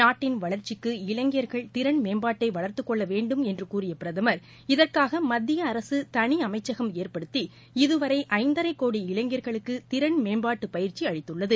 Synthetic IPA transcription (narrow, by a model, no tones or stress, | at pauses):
naːʈːɪnʋɐɭɐɾt͡ʃɪkːɯɪɭɐŋɡjɐɾɣɐɭt̪ɪɾɐɳmeːmbaːʈːɐɪʋɐɭɐɾt̪ɯkːɔɭːɐʋeːɳɖɯmɛndrɯkuːrɪjɐpɪɾɐðɐmɐɾ | ɪðɐrkaːɣɐmɐd̪ːɪjɐːɾɐsɯt̪ɐɳiɐmɐɪt͡ʃːɐɣɐmeːrpɐɽɯt̪ːi | ɪðɯʋɐɾɐɪʔɐɪnd̪ɐɾɐɪkːoːɽiɪɭɐŋɡɪjɐɾɣɐɭɯkːɯt̪ɪɾɐɳnmeːmbaːʈːɯpɐjɪɾt͡ʃiɐɻɪt̪ːɯɭːɐðɯ